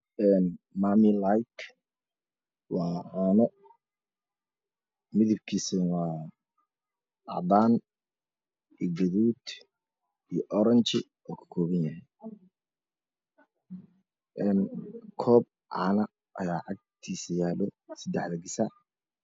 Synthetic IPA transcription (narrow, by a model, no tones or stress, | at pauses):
ɛːnmamilajkʰ | wɑːʕaːnɔ | mɪðɪb̚kʰiːsɐnwɑː | ʔɑd̪aːn | iɡɐðuːd̪ | ijɔʔɔɾɐnt͡ʃɪ | ɔːkʰɐ̥kʰɔːβɐnjɐɦɛj | ʔɛːnkʰɔːb̚ | ʕɑ̰nɐ | ʔɐ̰jaːʕɑɡ̚t̪ʰiːsɐjaːlɔsɐd̪ɛħðɐɡɪsɐ